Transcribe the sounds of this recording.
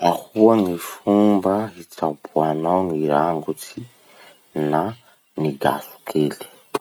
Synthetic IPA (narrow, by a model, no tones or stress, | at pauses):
ahuwaŋifumbaɦit͡sapuanawŋiɾaŋɡut͡si | na | niɡa̰su̥kʰeːle̥